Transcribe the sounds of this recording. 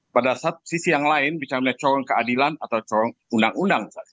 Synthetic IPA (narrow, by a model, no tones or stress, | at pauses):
padasat̪̚sisijaŋlaɪnbit͡ʃamɲat͡ʃɔɾɔŋkəadilanat̪awt͡ʃɔɾɔŋundaŋundaŋsa